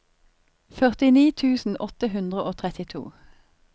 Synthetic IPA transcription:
fœʁt̪ɪniːt̪ʰʉːsn̩ɔt̪əɦʉnd̪ʁəʔoːt̪ʰʁɛt̪ɪt̪ʰṵː

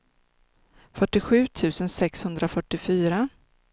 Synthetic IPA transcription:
fœʈːɪɧʉ̟ːt̪ʰʉ̟ːsənsɛkshɵnd̪ɾafœʈːɪfyːɾa

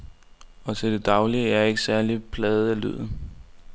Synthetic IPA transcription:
ɒ̽t͡sʰe̝ld̥e̝d̥ɑ̈ʊliəæɐe̝ɡ̥əsæɐlipʰlɛːð̞̩ˠæly̰ð̰ˠ

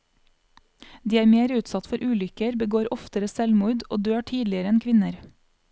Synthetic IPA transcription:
d̪iːæːɾmeːɾʉːt̪sɑt̪fɔɾʔʉːlʏkəɾbəɡoːɾɔft̪əɾəsɛlmuːd̪ʔo̰ːd̪øːʈʰiːd̪lɪəɾəɛnkʰʋɪnəɾ

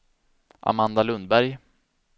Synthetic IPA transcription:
ʔa̰mand̪alɵnd̪̚bæɾj

